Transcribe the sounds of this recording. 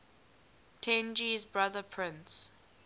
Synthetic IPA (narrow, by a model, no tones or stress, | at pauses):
tʰɛ̃nd͡ʒizbɹaðəpʰɹɪ̃ns